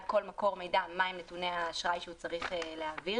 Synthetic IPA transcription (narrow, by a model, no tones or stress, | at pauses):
ko̞lmako̞ʁme̞jdamaimnetuneaʃʁajʃeut͡saʁiχeleavi